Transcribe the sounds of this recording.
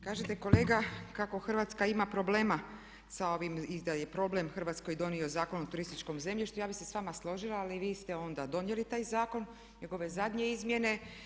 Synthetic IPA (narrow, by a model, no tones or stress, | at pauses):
kaːʒet̪eko̞le̞ːɡakako̞xr̩ʋaːt̪skaimapɾo̞ble̞ːma | sao̞ʋimid̪ajepɾo̞ble̞mxr̩ʋaːt̪sko̞jd̪o̞nio̞zaːkonuot̪uɾist̪it͡ʃko̞mze̞mʎiʃt̪ujaːbise̞sʋaːmaslˠo̞ʒilaːliʋiːst̪e̞o̞nd̪ad̪o̞njelit̪aːjzaːko̞n | ɲe̞ɡo̞ʋe̞zad̪ɲe̞izmje̞ne̞